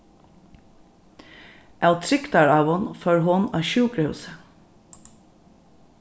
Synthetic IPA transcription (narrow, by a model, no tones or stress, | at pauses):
ælt̪ʰɾɪkt̪ɑɹɑːʋʊnfœːɹɦʊnɑ̰ːʃʉːkɾəhʉ̰ːsə